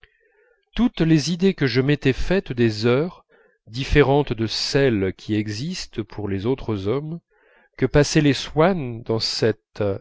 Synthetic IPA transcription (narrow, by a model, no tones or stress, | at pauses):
t̪ut̪lezid̪ekəʒəmet̪ɛfɛt̪d̪ezœʁ | d̪ifeʁɑ̃t̪d̪əsɛlkʲʰiɛɡzist̪pʰuʁlezot̪χəzɔm | kəpasɛleswand̪ɑ̃sɛt̪